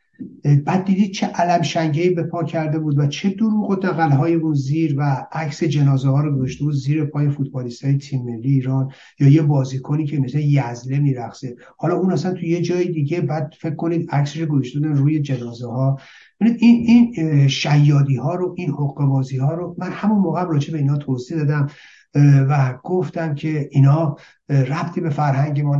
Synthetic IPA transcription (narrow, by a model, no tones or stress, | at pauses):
bæːd̪̚ːiːd̪iːd̪̥̚t͡ʃʰeʔælæmʃæŋɟeiːbe̞pʰɒːcʰæɾd̪e̞buːd̪væt͡ʃʰe̞d̪oɾuːɣod̪ʰæɣælɦɒːjeuːnziːɾvæækse̞d͡ʒe̞nɒːzehɒːɾoɡozoʃt̪e̞buːd̪ziːɾepʰɒːjefut̪̚ʰbɒːlist̪ʰɒːjet̪ʰimːe̞lːiːiːɾɒːn | jɒːjebɒːziːkʰoniːcʰemesejæzle̞miːɾæxse | hɒːlɒunæsænt̪ʰuje̞d͡ʒɒːjid̪iːɟe̞bæːd̪̥̚fe̞kkːo̞niːd̪ækseʃoɡozoʃt̪ebud̪æmruːje̞d͡ʒenɒːzehɒː | bebiniːd̪ininʃæjːɒːd̪iːhɒːɾoʔinhoɣuːe̞bɒːziːhɒːɾomænhæmunmoːɣeæmrɒːd͡ʒe̞be̞iːnɒːt̪ʰozid̪ɒːd̪æm | væɡ̥o̞ft̪æmcʰe̞iːnhɒː | ræbt̪ʰiːbe̞fæɾhæŋɟe̞mɔn